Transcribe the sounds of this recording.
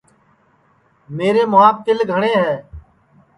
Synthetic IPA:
meːɾeːmʊaːp̚kɪlɡʱəɳeːɦɛː

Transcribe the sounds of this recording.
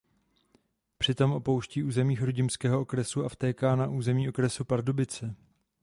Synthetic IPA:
pr̥ɪt̪o̞mʔo̞po̞wʃciːʔuːzɛmiːxɾoɟɪmskɛːɦoʔo̞kɾɛsuaft̪ɛːkaːnaʔuːzɛmiːʔo̞kɾɛsupaɾdobɪt͡sɛ

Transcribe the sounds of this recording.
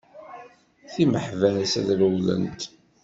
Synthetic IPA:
θiməħvæɾæsæ̰ðləwlə̰nt̪

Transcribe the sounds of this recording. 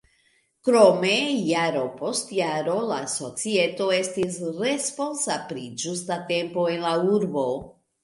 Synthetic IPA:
kɾo̞me̞jaɾo̞po̞stjaɾo̞laso̞t͡sie̞to̞e̞stisɾe̞spo̞nsapɾid͡ʒustate̞mpo̞e̞nlauɾbo̞

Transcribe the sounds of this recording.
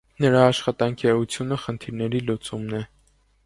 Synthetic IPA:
nəɾɑːʃχɑt̪ɑŋkʰiɛut͡sʰjunəχənt̪ʰiɾnɛɾilut͡sumnɛ

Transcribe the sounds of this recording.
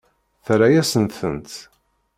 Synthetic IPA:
θɾajæsənt̪θənt̪

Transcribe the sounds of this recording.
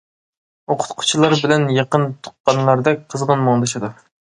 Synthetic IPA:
oqʰʊ̥t̪qʰʊ̥t͡ʃʰilˠɑɾbɪlɛnjɑqənt̪ʰʊ̥qːɑnlˠɑɾd̪ɛqʰəzʁənmɑŋd̪ɑʃɨd̪u

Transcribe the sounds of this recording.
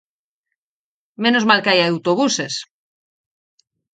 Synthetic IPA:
mẽ̞nozmalkeajaawt̪oβ̞use̞s

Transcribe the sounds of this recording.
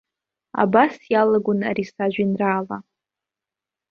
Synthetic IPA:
a̰basjalaɡʷʊna̰ɾisaʒʷᶣinraːla̰

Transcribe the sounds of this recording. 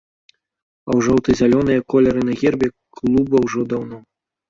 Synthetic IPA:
ɐwʐɔwt̪ɨzʲalʲɔnɨjɐkɔlʲɐɾɨnɐɣʲɛrbʲɛ | klˠubɐwʐɔd̪awnɔ

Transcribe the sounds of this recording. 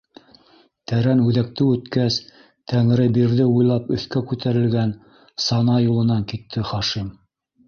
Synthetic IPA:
t̪æɾænʉðæk̚t̪ɘɵ̆t̪kæs | t̪æŋɾɘbiɾðɘujlˠɑpɵ̆θkækʉt̪æɾɘ̆lɡæn | sɑnɑjulˠɤ̆nɑŋkit̪ʰːɘχɑʃim

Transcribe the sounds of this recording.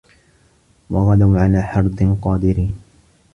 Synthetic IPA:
wɑɣɑd̪aʕalaːħɑɾˤd̪ˤɨnqɑːd̪ɪɾiːn

